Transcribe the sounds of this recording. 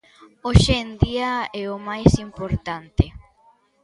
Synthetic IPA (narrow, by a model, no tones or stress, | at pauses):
oʃend̪iaɛomajsimpoɾt̪ant̪e